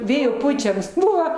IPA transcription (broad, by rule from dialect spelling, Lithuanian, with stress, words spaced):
ˈʋʲeːjoː ˈpʊt͡ʃʲɛms ˈbʊʋoː